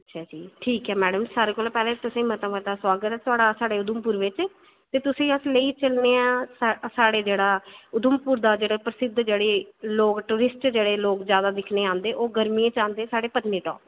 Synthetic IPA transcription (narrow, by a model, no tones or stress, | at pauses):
ətːʃʰaːd͡ʒiːʈʰiːkɦɛːmɛːɖəmsaːɾeːkoːlːpɛːlẽːt̪ʊsẽːmət̪ə̃mət̪aːswaːɡət̪ɛːt̪ʊaːɽaːsaːɽeːʊd̪əmpuːɾʋɪt͡ʃ | t̪eːt̪ʊsĩːəsləiːt͡ʃəlneːãːssaːɽeːd͡ʒeːɽaːʊd̪mpuːɾd̪aːd͡ʒeːɽeːpɾəsɪd̪d͡ʒeːɽeːloːkʈuːɾɪsʈd͡ʒeːɽeːloːkzjaːd̪aːd̪ɪkʰneːãːnd̪eːʔoːɡəɾmiẽːt͡ʃãːnd̪eːsaːɽeːpət̪niːʈɔ̰ːp